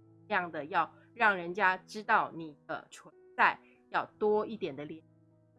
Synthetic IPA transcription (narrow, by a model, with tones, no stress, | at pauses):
jɑ˥˩ŋd̪ə˩jɑ˥˧ʊ | ɻɑ˥˩ŋɻə˧˥nt͡ɕja˥ʈ͡ʂɻ̩˥t̪ɑ˥˩ʊni˨˩d̪ə̰˧˦t͡sʰwə˧˦nt͡sa˥˧˩ɪ | jɑ˥˩ʊt̪wɔ˥i˥˩t̪jɛ˨˩nd̪ə˦ljɛ˧˦n